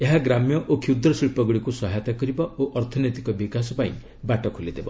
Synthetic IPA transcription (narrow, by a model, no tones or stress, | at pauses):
eɦaɡɾamjɔʔokʰiud̪ɾɔsiɭpɔɡɽikusɔɦajt̪akɔɾibɔoʔɔɾt̪ʰɔnet̪ikɔbikasɔpaḭ̃ | baʈɔkʰolid̪ebɔ